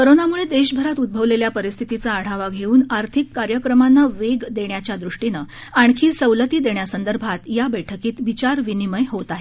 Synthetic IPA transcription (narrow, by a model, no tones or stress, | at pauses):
kəɾonamuɭed̪eɕbʱəɾat̪ud̪̚bʱəʋleljapəɾist̪ʰit̪it͡saːɽ̤aʋaɡʱeuːnaɾt̪ʰikːaɾjəkɾəmanːaʋeɡd̪eɳjat͡ɕjad̪ɾuʂʈinə | aɳkʰiːsəwlət̪iːd̪eɳjasənd̪əɾbʱat̪jabəjʈʰəkiːt̪ʋit͡ɕaɾʋiniməjɦot̪aɦe